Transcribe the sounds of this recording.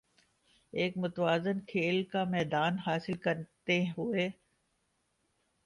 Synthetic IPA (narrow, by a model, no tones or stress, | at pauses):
eːkmʊt̪ʋaːzənkʰeːlkamɛːd̪aːnɦaːsɪlkɐɾt̪eɦʊeː